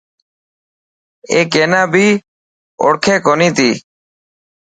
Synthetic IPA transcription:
ḛːkeːnãːbʱiː | o̰ːɽkʰeːkoːnĩːt̪iː

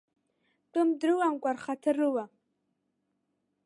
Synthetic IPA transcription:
tʼɨmdɾɨwamkʷʼarχatʰɨrɨwa

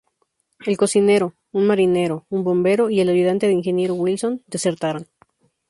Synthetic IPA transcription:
e̞lko̞sine̞ɾo̞ | unmaɾine̞ɾo̞umbo̞mbe̞ɾo̞ie̞lajuð̞ant̪e̞ðeiŋxe̞nje̞ɾoɣwilso̞nd̪e̞se̞ɾt̪aɾon

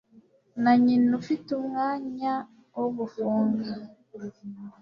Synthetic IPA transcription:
naɲinufitumŋaːɲa | woβufuːŋɡa

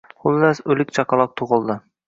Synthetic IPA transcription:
χʊlˠːasɵlɪk̚ʲt͡ʃʰɑqʰɑlˠɑq̚t̪ʰʊʁɨlˠd̪ɪ

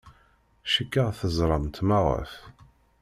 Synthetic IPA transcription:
ʃəkːəʁθəzˤɾˤɑmt̪mɑʁə̰f

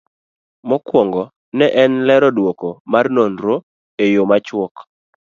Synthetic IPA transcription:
mɔkwɔŋɡɔ | nɛʔɛnlɛɾɔdwokomarnonɾo | ejomat͡ʃwɔk

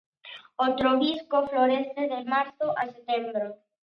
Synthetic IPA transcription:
ot̪ɾoβiskofloɾest̪eðemaɾθoʔaset̪embɾo

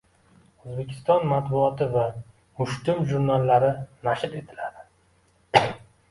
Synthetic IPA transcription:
ozbe̞kʲʰɪ̥st̪ɒnmat̪bʊɒt̪ɪva | mʊʃt̪ɪmʒuɾnalːaɾɪnaʃɪɾe̞t̪ʰɪlad̪ɪ

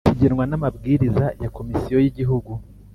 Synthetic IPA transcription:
tʰiɟeɾwanamabɡiːɾizajako̞misijo̞jiɟiɦuɡu

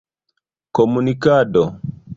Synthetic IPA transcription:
kɔmunikadɔ

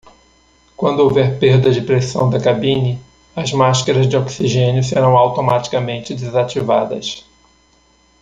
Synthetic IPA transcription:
kwɐ̃nd̪ʊowvɛɾpeɾd̪ɐd͡ʒɪpɾesɐ̰̃w̃d̪ɐkabĩnɪ | ɐzmaʃkɐɾɐzd͡ʒɪoksiʒẽnjʊseɾɐ̃w̃awt̪omat͡ʃi̥kɐmẽnt͡ʃɪd̪ɪzat͡ʃiva̰d̪ɐ̰s

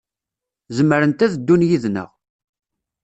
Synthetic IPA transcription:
zəmːəɾənt̪æðəd̪ːunjiðnə̰ʁ

